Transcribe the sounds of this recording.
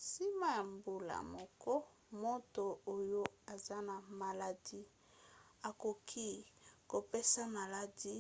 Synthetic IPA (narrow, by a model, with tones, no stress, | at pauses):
si˦ma˦ja˨mbu˨la̰˨mɔ˨kɔ˦ | mo˦to˨o˦jo˦a˨za˦na˨ma˨la˨di˦ | a˨ko˨kʰi˦ko˨pe˦sa˦ma˨la˨di˦